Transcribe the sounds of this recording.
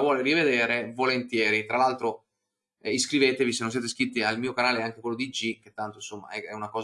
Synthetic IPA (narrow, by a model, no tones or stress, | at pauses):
vwɔːlirived̪eːɾevolent̪jɛːɾit̪ɾalalt̪ɾo | iskɾiveːt̪evisenːonsjeːt̪eskɾit̪ːialmiːokanaːleɛaŋk̟ekwelːod̪id͡ʒik̟et̪ːant̪oinsomːa̰ɛɛunakɔːz